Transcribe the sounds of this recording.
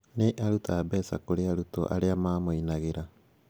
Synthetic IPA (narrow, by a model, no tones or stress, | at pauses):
neʔaɾutʰaːbeːsa̰koɾeaɾuto̰ʔa̰ɾeamamojnaɣeɾa